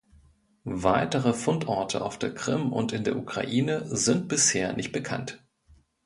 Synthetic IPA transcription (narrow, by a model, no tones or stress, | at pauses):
vaɪtəʁ̞əfʊntʔɔɐtʰəʔa̰ʊfd̥eːɐkʁ̥ɪmʊ̰ntɪndeːɐʔukʁ̥a̰ʔiːnəzɪnt̚b̥ɪsheːɐnʔɪ̰çt̚b̥əkʰa̰nt